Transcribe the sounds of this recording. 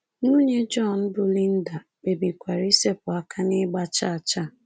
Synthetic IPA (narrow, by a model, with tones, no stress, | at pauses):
nu˦ɲe˦d͡ʒɔ˦˨n̩˦bʊ˦li˦n̩˦da˨ | k͡pe˨bi˨kʷa˨ɾi˦se˦pʊ˨a˦kʰa˦nɪ˦ɡ͡ba˦t͡ʃa˦˨a˨t͡ʃa˦˨